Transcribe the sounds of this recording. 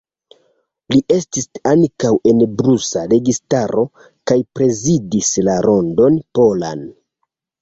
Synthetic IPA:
liʔe̞stisaŋkawe̞nbɾusaɾe̞ɡistaɾo̞ | kajpɾe̞zidislaɾo̞ndo̞npo̞la̰n

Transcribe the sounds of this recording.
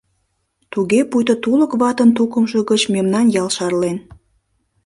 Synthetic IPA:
t̪uɣepujt̪ət̪uləkβɑt̪ənt̪ukəmʒəɣət͡ɕmemnɑnjɑlʃɑrlen

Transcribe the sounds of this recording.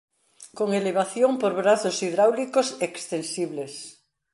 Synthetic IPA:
koŋeleβ̞aθjoŋpoɾβɾaθosiðɾawlikosekst̪ensiβles

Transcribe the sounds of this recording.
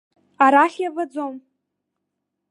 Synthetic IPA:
aɾaχʲjavad͡zom

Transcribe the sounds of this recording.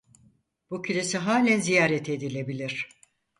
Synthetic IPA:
b̥ucʰylʲesiɦaːlʲænzijaːɾet̪ʰe̞d̪ilʲe̞bilʲiɾ̥

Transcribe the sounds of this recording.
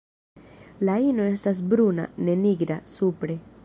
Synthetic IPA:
laino̞e̞stas̬bɾuna̰ne̞niɡɾa̰supɾe̞

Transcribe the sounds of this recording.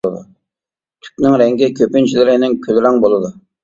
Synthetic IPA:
ɨd̪u | t̪ʰy̥k̚ʲnɪŋɾɛŋɡʲɪkʲʰøpɪnt͡ʃʰilɪɾɪnɪŋkʲʰølɾɑŋbolˠɨd̪ʊ

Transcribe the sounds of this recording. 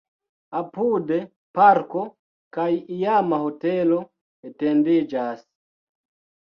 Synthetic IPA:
apude | paɾko | kajijamaho̞telo | etendid͡ʒas

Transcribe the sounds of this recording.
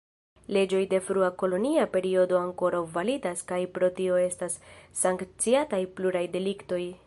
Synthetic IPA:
le̞d͡ʒo̞jde̞fɾuako̞lo̞niape̞ɾio̞do̞aŋko̞ɾawvalidaskajpɾo̞tio̞e̞stasːaŋkt͡siatajpluɾajde̞likto̞j

